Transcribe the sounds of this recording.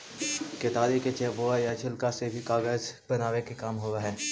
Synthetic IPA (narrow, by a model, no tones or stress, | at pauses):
ket̪aːɾiket͡ʃeːʋoːajat͡ʃʰɪlkasebʱikaːɣəzbɐnaːʋekekaːmɦoːaɦɛː